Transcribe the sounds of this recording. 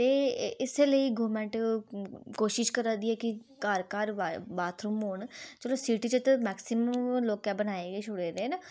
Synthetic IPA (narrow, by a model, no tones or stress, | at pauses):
t̪eːɪsːləiːɡoːɾmɛ̃ːɳʈ | koːʃɪʃkəɾãːd̪iːɛːkikaːɾkaːɾabaːt̪ʰɾumoːɳt͡ʃəloːsiːʈiːt͡ʃət̪mɛːksɪməmloːkɛːbənaːeːɡeːt͡ʃʰʊɽeːɾeːnaː